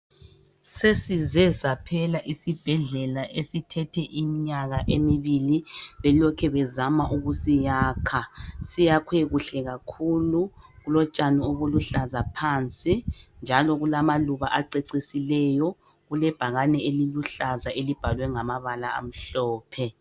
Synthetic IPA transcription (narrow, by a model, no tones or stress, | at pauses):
sesizɛzapʰɛlaʔisib̥ʱɛɮɛlaʔesitʰɛtʰɛʔimiɲaɣaʔemiβiliβɛlɔkʰɛβɛzamaʔuɣusijaːkʰasijakʰweɣuɬɛɣakʰuluɣulɔt͡ʃʼanioɣuluɬazapʰaːnt͡sʼind͡ʒʱalɔɣulamaluβaʔaǀeǀisilɛjɔ | ɣulɛb̥ʱaɣanɛeliluɬazaelib̥ʱalwɛŋamaβalaa̰m̩ɬɔːpʰɛ